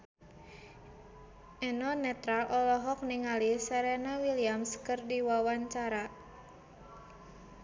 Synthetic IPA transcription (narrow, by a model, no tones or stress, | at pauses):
ʔɛnɔnɛt̪ɾalʔɔlɔɦɔk̚niŋalisɛɾɛnawiliamskɨrdiwawaɲt͡ʃaɾa